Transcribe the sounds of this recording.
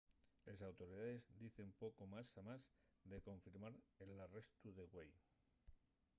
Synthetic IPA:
le̞s̬awt̪o̞ɾið̞aðe̞zd̪iθe̞mpo̞ko̞masamazðe̞ko̞ɱfiɾmaɾelare̞st̪uðe̞ɣwej

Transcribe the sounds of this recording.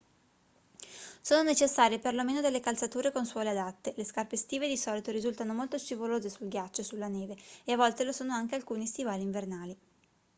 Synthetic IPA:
soːnonet͡ʃesːaːɾjeperlomeːnod̪elːekalt̪sat̪uːɾekonswɔːlead̪at̪ːeleskarpest̪iːved̪isɔːlit̪oɾizult̪anomolt̪oʃivoloːzesulɡjat͡ʃːosulːaneːveeavɔlt̪elosoːnoaŋk̟ealkuːnist̪ivaːliɱvernaːli

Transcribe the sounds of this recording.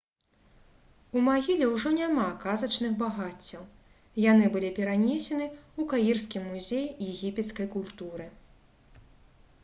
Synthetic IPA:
umaɣʲilʲɛwʐɔnʲamakazɐt͡ʂnɨxbaɣat͡sʲːɐw | janɨbɨlʲipʲɛɾanʲesʲɛnɨukajirskʲimːuzʲejjɛɣʲipʲɛt̪skɐjkulʲt̪uɾɨ

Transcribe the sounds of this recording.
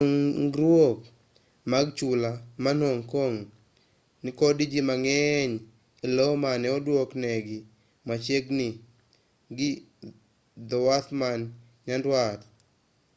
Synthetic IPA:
ŋɡɾwok̚ | maɡt͡ʃulamanoŋkoŋ | nɪkodid͡ʒimaŋɛɲ | ilomanɛɔdwoknɛɡɪ | mat͡ʃeɡnɪ | ɡɪ | d̪ɔwat̪man | ɲandwat

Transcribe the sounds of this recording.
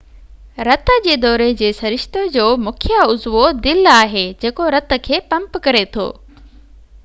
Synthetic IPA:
ɾɐt̪ə̆d͡ʑeːd̪ɔːɾed͡ʑeːsɐɾɪʃt̪od͡ʑoːmʊkʰjaʊzʋod̪ɪlaːɦed͡ʑeːkoɾɐt̪ə̆kʰeːpɐ̃mpkɐɾet̪ʰo̰ː

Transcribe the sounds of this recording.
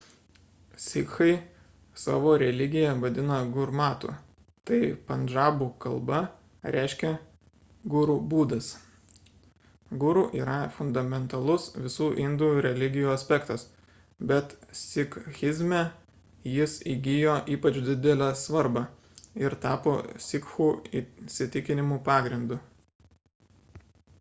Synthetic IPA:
sʲɪkxɐɪ | sɑ̰ːʋoːɾʲɛlʲɪɡʲɪjɛʋɐd̪ʲɪnɐɡʊɾmɑːt̪ṵː | t̪ɐɪpɐnd͡ʒɑːbukɐlˠbɐ | ɾʲʔæɪʃʲkʲɛ | ɡʊɾuːbuːd̪ɐs | ɡʊɾuːʔiːɾɐfʊnd̪ɐmʲɛnt̪ɐlˠʊsʋʲɪsuːʔɪnd̪ujuɾʲɛlʲɪɡʲɪjuːɐsʲpʲɛkt̪ɐs | bʲɛt̪sʲɪkxʲɪzʲmʲɛ | jɪsiːɡʲɪjoːʔiːpɐt͡ʃʲd̪ʲɪd̪ʲɛlʲæsʋɐɾbɑ | ɪɾt̪ɑːpoːsʲɪkxuːisʲɪt̪ʲɪkʲɪnʲɪmuːpɑːɡɾʲɪnd̪ʊ

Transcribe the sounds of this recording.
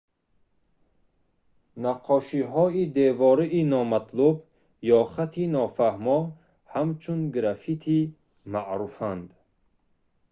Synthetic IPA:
naqʰɔʃiɦɔid̪evɔɾiʔinɔmat̪ʰlub | jɔχat̪ʰinɔfahmɔ | hamt͡ʃʰunɡɾafit̪ʰi | maʔɾufand̪

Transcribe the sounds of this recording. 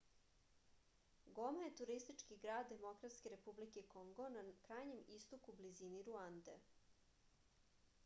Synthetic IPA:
ɡomaje̞t̪uɾist̪it͡ʃkiɡɾaːd̪ːe̞mo̞kɾat̪skeɾe̞publikekoŋɡo̞nakɾaːjɲe̞mist̪okubliziniɾuand̪ḛ

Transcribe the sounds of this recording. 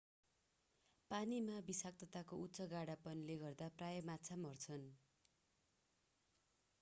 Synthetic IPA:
panimabisak̚t̪ʌt̪akoutːt͡sʌɡaɽapʌnileɡʌrd̪aprajʌmat͡sʰamʌrt͡sʰʌn

